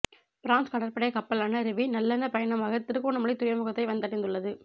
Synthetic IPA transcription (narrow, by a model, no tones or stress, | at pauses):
pɪɾaːnskɐɽɐɾpɐɽɐjɐkɐpːɐlaːnɐɾɪʋinɐlːɐnɐpɐjɐnɐmaːɣɐt̪ɪɾɯɣoːɳɐmɐɭɪt̪ːʊjɐmʊɣɐt̪ːɐɪʋɐnd̪ɐʈːɪnd̪ɯɭːɐðɯ